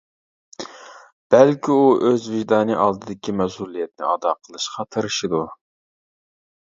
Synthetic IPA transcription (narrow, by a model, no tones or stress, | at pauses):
b̥ɛlkʲʰiuʔøzvɪʒd̪ɑːnɨʔɑlˠd̪ɨd̪ɪkʲʰimɛsulˠijɛt̪̚nɪ̰ɑd̪ɑqʰəlˠɨʃqɑt̪ʰɑɾɨʃɨd̪u